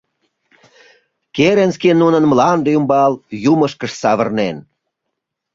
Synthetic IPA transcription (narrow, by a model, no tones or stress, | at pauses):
keɾenskenːunənmlɑnd̪ejumbɑljuməʃkəʃsɑβərnen